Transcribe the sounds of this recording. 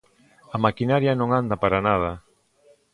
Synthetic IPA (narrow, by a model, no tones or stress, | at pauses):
amakinaɾjanõŋand̪apaɾanað̞ɐ